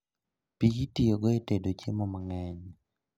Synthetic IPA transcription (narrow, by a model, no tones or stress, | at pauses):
piɡitijoɡɔetedot͡ʃemɔmaŋɛɲ